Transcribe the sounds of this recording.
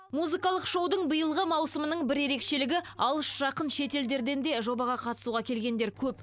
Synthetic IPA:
muzɨkɑlˠəqʃo̞wd̪əɴbəjəlˠʁəmɑwsəmənəɴbɪɾe̞ɾe̞kʃe̞lɪɡʲɪɑlˠəʃʒ̥ɑqənʃe̞t̪e̞ld̪e̞ɾd̪e̞nd̪e̞ʒo̞bɑʁɑqʰɑt̪ə̥suʁɑkʲʰe̞lɡʲe̞nd̪eɾkʲʰɵp

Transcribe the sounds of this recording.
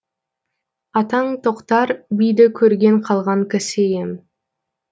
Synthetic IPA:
ɑt̪ɑɴt̪ʰoqt̪ɑɾbijd̪ɪkʲʰɵɾɡʲe̞ɴqʰɑlˠʁɑŋkæsejem

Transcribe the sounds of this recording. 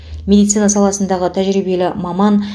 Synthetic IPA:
mʲe̞d̪ijt̪sɨjnɑsɑlˠɑsənd̪ɑʁət̪ʰæʒɾijbe̞lɪmɑmɑn

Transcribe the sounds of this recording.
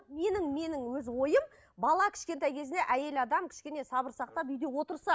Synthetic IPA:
me̞nɪŋme̞nɪŋwɵzwo̞jəm | bɑlˠɑkʲʰɪ̥ʃkʲe̞nt̪ɑjkʲʰe̞zɪne̞ʔæje̞lɑd̪ɑmkʲʰɪ̥ʃkʲe̞ne̞sɑbəɾsɑq̚t̪ɑpʏjd̪e̞wo̞t̪əɾsɑ

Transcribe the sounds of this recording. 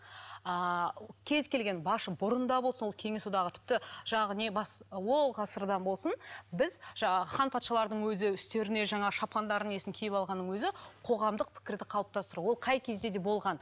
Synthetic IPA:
əkʲʰe̞zkʲe̞lɡʲe̞nbɑʃəbʊɾənd̪ɑbo̞lˠsənwolˠkʲʰe̞ŋʲe̞sud̪ɑʁət̪ʰɪ̥p̚t̪ɪʒɑɴɑʁəne̞bɑswo̞lˠʁɑsəɾd̪ɑnbo̞lˠsənbɪzʒɑχɑnpʰɑt̪ʃɑlˠɑɾd̪əɴwɵzɪʏst̪e̞ɾɪne̞ʒɑɴɑʃɑpʰɑnd̪ɑɾəne̞sɪŋkʲʰijɪpɑlˠʁɑnːəŋwɵzɪqʰo̞ʁɑmd̪əq̚pʰɪ̥kʲɪɾd̪ɪqʰɑlˠəp̚t̪ɑst̪əɾuwo̞lˠqʰɑjkʲʰezd̪e̞d̪e̞bo̞lˠʁɑn

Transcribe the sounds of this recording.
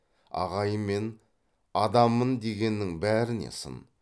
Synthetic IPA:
ɑ̰ʁɑjəmːe̞n | ɑd̪ɑmənd̪e̞ɡʲe̞nːɪŋbæɾɪne̞̰sə̰n

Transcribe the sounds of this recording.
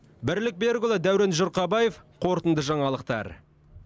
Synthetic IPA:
bɪɾlɪk̚beɾɡʊlˠɑd̪æwɾenʒoɾqɑbɑje̞fqʰo̞ɾt̪ənd̪əʒɑɴɑlˠəq̚t̪ɑ̰ɾ

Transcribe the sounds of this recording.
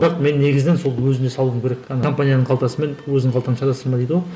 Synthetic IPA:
d̪ɑɾq̪me̞nːe̞ɡʲɪzɪnenso̞lˠwɵzɪne̞sɑlˠuəmkʲʰe̞ɾekɑnko̞mpanʲijanəɴqʰɑlˠt̪ɑsəme̞nwɵzɪɴʰɑlˠt̪ɑənʃɑd̪ɑsəɾmɑd̪eijd̪əwo

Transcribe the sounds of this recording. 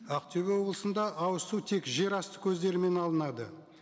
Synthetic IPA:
ɑqt̪ʲʰeβwo̞blˠəsənd̪ɑʔɑwəsut̪ʰe̞kʒe̞ɾɑst̪ə̥kʲʰɵzd̪e̞ɾme̞nɑlˠənɑd̪ə

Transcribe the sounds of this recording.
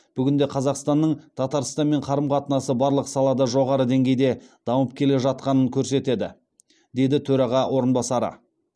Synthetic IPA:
b̥ʏɡʲɪnd̪e̞qʰɑzɑqst̪ɑnːəɴt̪ʰɑt̪ɑɾst̪ɑnme̞ɴqʰɑɾəmqʰɑt̪ənɑsəbɑɾlˠəqsɑlˠɑd̪ɑʒo̞ʁɑɾəd̪e̞ŋɡʲe̞jd̪e̞d̪̥ɑwəp̚kʲʰe̞le̞ʒɑt̪̚qɑnəŋkʲʰɵɾse̞t̪e̞d̪ɪ | d̪e̞jd̪ɪt̪ʰɵɾɑʁɑwʔo̞ɾənbɑsɑɾə̰

